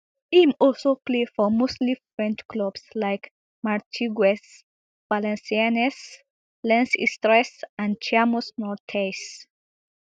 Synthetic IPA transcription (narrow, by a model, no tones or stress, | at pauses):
hĩmɔlsoplefɔmostlifɹɛ̃nt͡ʃkʰlɔbslaɪk | maɹtʰiɡɛs | valɛ̃nsianɛs | lɛ̃nsḭstɹɛsãn̚t͡ʃʰamɔsnɔɹtʰes